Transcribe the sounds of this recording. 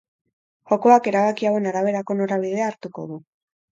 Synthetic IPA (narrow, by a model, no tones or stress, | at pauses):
ʝo̞ko̞ake̞ɾaβ̞akiawe̞naɾaβ̞e̞ɾako̞no̞ɾaβ̞iðe̞aːɾt̪uko̞̰ðu